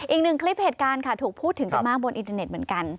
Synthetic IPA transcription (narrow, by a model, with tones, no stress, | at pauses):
ʔiː˨˩k̚nɯ˨˩ŋkʰli˦˥p̚heː˨˩t̪̚kaː˧nkʰa˥˩t̪ʰuː˨˩k̚pʰuː˥˩t̪ʰːɯ˩˦ŋt͡ɕa˨˩maː˥˩k̚bo˧nʔi˧nt̪a˧ne˨˩t̪̚m˩˦ənka˧n